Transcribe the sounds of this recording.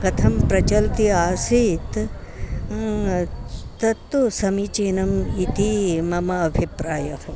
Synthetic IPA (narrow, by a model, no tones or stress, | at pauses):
kɐt̪ʰɐmpɾɐt͡ʃɐlt̪iaːsit̪ | t̪ɐt̪ːusɐmit͡ʃeːnɐmit̪imɐmɐːbʱipɾaːjɐh